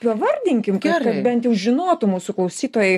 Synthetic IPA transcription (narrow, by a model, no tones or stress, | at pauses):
pɐʋɐrʲd̪ʲɪŋʲkʲɪmkɐkɐt̪bʲɛnt̪jɛʊʒʲɪnoːt̪ʊmuːsʊklˠɐʊsʲiːt̪oːjɛɪ